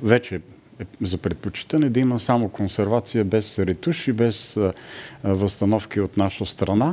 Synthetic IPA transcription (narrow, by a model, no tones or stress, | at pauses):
vɛt͡ʃɛ | ɛzɐpɾɛt̪̚pot͡ʃi̥t̪ənɛd̪ɐiməsamokonsɛɾvat̪sijəbɛsɾɛt̪uʃibɛs | vɐst̪ɐnɔfkiot̪naʃəst̪ɾɐna